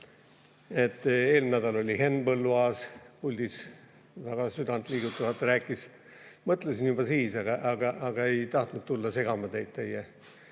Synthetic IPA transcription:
e̞t̪ːe̞ːlmnæd̪ɑlo̞lʲihe̞nːbɤlːuɑːspulʲd̪̥is | væɡ̥ɑsyd̪ɑnt̪ˑliːɡ̥ut̪ːˑɑvɑt̪ːˑɾæːkˑːis | mɤt̪ːˑlesinjubɑsiːsɑɡ̥ɑʔɑɡ̥ɑʔɑɡ̥ɑe̞jt̪ɑht̪nut̪̚t̪ulːɑse̞ɡ̥ɑmɑt̪e̞jd̪̚t̪eje

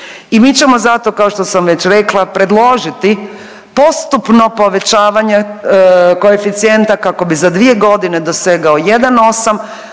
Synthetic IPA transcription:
imiːt͡ɕe̞mo̞zat̪o̞kao̞ʃt̪osamʋe̞t͡ɕɾe̞klˠapɾe̞d̪lˠo̞ːʒit̪i | po̞st̪upno̞po̞ʋe̞t͡ɕaːʋaɲe | ko̞efit̪sije̞nt̪akako̞bizad̪ʋie̞ɡo̞d̪ine̞d̪o̞seɡao̞jed̪ano̞sam

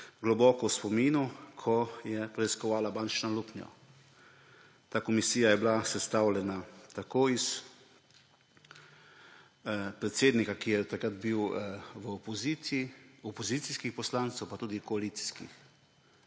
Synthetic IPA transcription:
ɡlɔbɔːkɔwspɔmiːnukʰɔjɛpɾɛiskɔʋaːlabaːnt͡ʃnaluːpnjɔ̰ | t̪aːkɔmisiːjajɛblasɛst̪aːwlʲɛnat̪akoːis | pɾɛt̪seːd̪nikakijɛt̪akɾad̪biwʋəɔpɔzi | ɔpɔziːt̪siskixpɔslaːnt̪sɛwpat̪uːd̪ikɔaliːt̪si̥skḭx

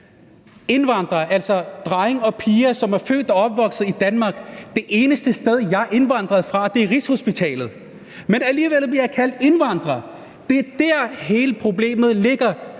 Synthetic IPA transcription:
e̝nʋɑ̈n̰d̥ʁɐʔæl̰sɒ̽d̥ʁɑɪeŋɒ̽pʰiːɐsɒ̽mæɐfø̰ːd̥ɒɒ̽b̥ʋɒ̽ɡ̥sð̩ˠid̥ænmɑ̈ːɡ̥d̥e̝ʔe̝ːnəsd̥əsd̥eð̞ˠjɑ̈ɪʔe̝nʋɑ̈n̰d̥ʁɐð̞̩ˠfʁɑ̈d̥e̝æɐʁisho̝sb̥it͡sʰɛ̰ːlð̞̩ˠ | menæliːʋel̰b̥liɐjɑ̈kʰæl̰d̥e̝nʋɑ̈n̰d̥ʁɐ | d̥e̝d̥æɐ̰ɦe̝ːləpʰʁo̝ble̝̰ːmð̞̩ˠle̝ɡ̥ɐ

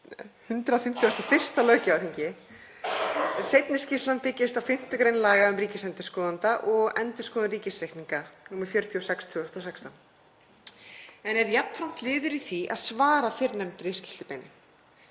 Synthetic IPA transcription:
hʏnt̪ɾafɪm̥t̪ʰjiast̪ɔfɪr̥st̪alœːcɪaθiɲcɪ | sejt̪nɪscɪst̪lanpɪcːɪst̪awfɪm̥t̪ʏkɾejnlaːɣaʏmriːcɪsɛnt̪ɪskɔːðant̪aʔɔɣɛnt̪ʏ̥skɔːðaɾiːcɪsɾejhk̪niŋkanumaɾfjœɾt̪ʰiɔsɛkst̪ʰʏɔst̪ɔsɛkst̪an | ɛnɛɾjapʰːɾawm̥t̪lɪːðʏɾiθiʔa̰ðsvaːɾafɪɾnɛmt̪ɾest̪ilst̪ɪpejnɪ̰

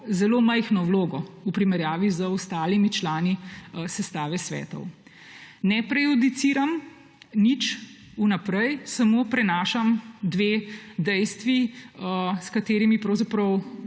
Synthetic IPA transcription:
zɛloːmɛjxnɔwloːɡɔupɾimɛɾjaːʋizəɔst̪aːlimit͡ʃlaːnisɛst̪aːʋɛsʋɛ̰ːt̪ɔ̰w | nɛpɾɛjud̪it̪siːɾam | nit͡ʃ | unapɾɛjsamoːpɾɛnaːʃamd̪ʋeːd̪ɛjst̪ʋi | skat̪eːɾimipɾɐwzapɾɔw

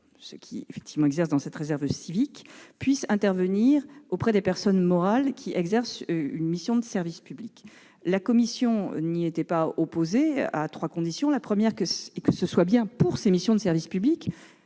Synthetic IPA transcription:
səkʲʰḭḛfɛk̚t̪ʰivmɑ̃ɛɡzɛʁsd̪ɑ̃sɛt̪ʁezɛʁvsivikpɥisɛ̃t̪ɛʁvəniʁopχɛd̪epɛʁsɔnmɔʁalkʲʰiɛɡzɛʁsynmisjɔ̃d̪əsɛʁvispyblik | lakɔmisjɔ̰̃niet̪ɛpaɔpozea̰t̪χwakɔ̃d̪isjɔ̃lapχəmjɛʁkəkəsəswabjɛ̃puʁsemisjɔ̃d̪əsɛʁvispyblik

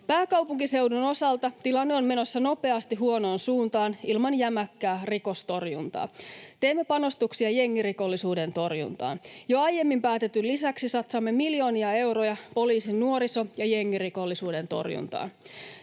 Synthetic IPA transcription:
pæːkɑwpuŋkise̞wduno̞sɑlt̪ɑt̪ilɑnːeomme̞no̞sːɑno̞pe̞ɑst̪iɦuo̞no̞ːnsuːnt̪ɑːnilmɑnjæmækːæːriko̞st̪o̞rjṵnt̪ɑ̰ːt̪e̞ːmːe̞pɑno̞st̪uksiɑje̞ŋːiriko̞lːisuːde̞nt̪o̞rjṵnt̪ɑ̰ːnjoɑje̞mːimpæːt̪et̪ːylisæksisɑt̪sɑmːe̞miljo̞ːniɑe̞wrojɑpo̞liːsinːuoɾiso̞jɑje̞ŋːiriko̞lːisuːde̞nt̪o̞̰rjṵnt̪ɑ̰ːn

